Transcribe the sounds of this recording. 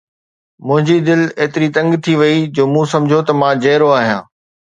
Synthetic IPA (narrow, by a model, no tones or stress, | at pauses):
mʊ̃ɦɪ̃ɲd͡ʑid̪ɪleːt̪ɪɾit̪ɐ̃ŋɡt̪ʰiʋɐid͡ʑoːmũsɐmd͡ʑʱjot̪ɐmãd͡ʑɐːɾoaːɦijãː